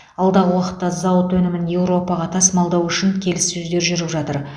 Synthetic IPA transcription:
ɑlˠd̪ɑʁəwɑqə̥t̪ːɑzɑwət̪wɵnɪmɪnje̞wɾo̞pɑʁɑt̪ʰɑsmɑlˠd̪ɑwʏʃɪŋkʲʰe̞lɪssɵzd̪e̞ɾʒʏɾɪpʒɑt̪əɾ

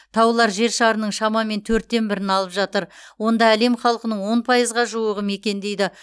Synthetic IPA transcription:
t̪ʰɑwlˠɑɾʒe̞ɾʃɑɾənəɴʃɑmɑme̞nt̪ʰɵɾt̪̚ːe̞nbɪɾɪnɑlˠəpʒɑt̪əɾwo̞nd̪ɑæle̞mχɑlˠəqənəɴwo̞npʰɑjəzʁɑʒuwəʁəme̞kʲe̞nd̪e̞jd̪ɪ

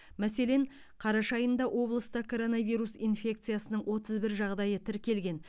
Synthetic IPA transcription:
mæse̞le̞ɴ | qʰɑɾɑʃɑjənd̪ɑwʔo̞blˠəst̪əkʰo̞ɾo̞navijɾusinfʲe̞kt̪sɨijasənəɴwʔo̞t̪əzbɪɾʒɑʁd̪ɑjət̪ʰɪɾkʲe̞lɡʲe̞n

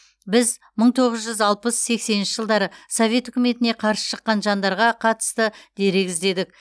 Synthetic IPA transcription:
bɪz | məɴt̪ʰo̞ʁəzʒʏzɑlˠpəsse̞kse̞nɪnʃɪʒəlˠd̪ɑɾəsovʲe̞t̪ʏkʲɪme̞t̪ɪne̞qʰɑɾsə̥ʃəqːɑnʒɑnd̪ɑɾʁɑqʰɑt̪ə̥st̪əd̪e̞ɾeɡʲɪzd̪e̞d̪ɪk

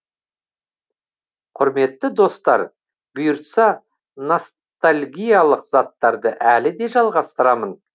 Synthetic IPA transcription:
qʰʊɾme̞t̪ːɪd̪o̞st̪ɑ̰ɾ | bʊjʊɾt̪sɑ | no̞s | t̪alʲɡʲijalˠəqz̥ɑt̪ːɑɾd̪əʔælɪd̪e̞ʒɑlˠʁɑst̪əɾɑmən

